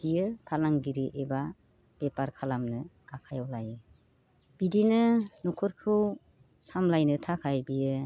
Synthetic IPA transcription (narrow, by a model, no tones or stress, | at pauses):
bijɯpʰalaŋdiɾiʔeba | b̥epaɾkʰalamnɯ | akʰajawlajɯ | b̥idinɯnɔkʰɔɾkʰɯw | samlajnɯtʰakʰajbijɯ